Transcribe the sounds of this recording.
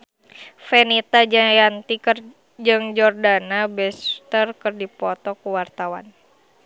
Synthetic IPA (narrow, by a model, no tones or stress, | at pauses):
fɛnit̪ajant̪ikr | d͡ʒɨŋd͡ʒɔrdanabɛst̪ərkɨrdipɔt̪ɔkuwart̪awa̰n